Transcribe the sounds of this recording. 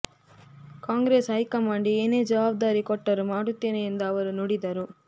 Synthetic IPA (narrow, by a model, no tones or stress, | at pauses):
kaːŋɡɾeːsɦɐjkɐmaːɳɖieːne̞ːd͡ʒɐʋaːb̚d̪aːɾikɔʈːɐɾumaːɽut̪ːe̞ːneend̪ɐːʋɐɾunoɽid̪ɐɾu